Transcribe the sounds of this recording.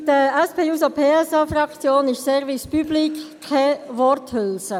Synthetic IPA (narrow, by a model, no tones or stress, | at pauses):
dəɛspʰeːuːsopʰeːɛsɑfrɑkt͡sjoːnɪʃsɛɾvispyblikʰː | ɛvɔrthølsə